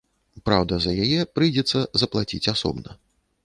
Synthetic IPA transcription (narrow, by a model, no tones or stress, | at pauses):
pɾawd̪ɐzɐjajɛpɾɨjd͡zʲɛt̪sːɐzɐplˠat͡sʲit͡sʲasɔ̰bnɐ̰